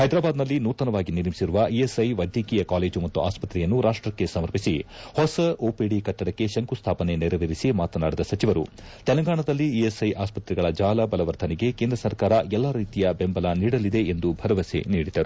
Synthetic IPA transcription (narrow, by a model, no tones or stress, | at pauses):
hɐjd̪ɾaːbaːd̪nɐlːinuːt̪ɐnɐʋaːɡiniɾmisiɾuʋɐʔijesɐjʋɐd̪ʱjɐkiːjɐkaːle̞ːd͡ʒumɐt̪ːuʔaːspɐt̪ɾɛjɐnːuɾaːʂʈɾɐkːe̞sɐmɐɾpisihɔsɐʔoːpeɽikɐʈːɐɽɐkːe̞ʃɐŋkust̪ʰaːpɐne̞niɾɐʋiɾisimaːt̪ɐnaːɽid̪ɐsɐt͡ʃiʋɐɾu | t̪ɛlɐŋɡaːɳɐd̪ɐlːiiesɐjʔaːspɐt̪ɾɛɡɐɭɐd͡ʒaːlɐbɐlɐʋɐɾd̪ʰʱɐniɡe̞keːnd̪ɾɐsɐɾkaːɾɐɛlːaːɾiːt̪ijɐbe̞mbɐlaniːɽɐlid̪eend̪ubʱɐɾɐʋɐsḛniːɽid̪ɐɾu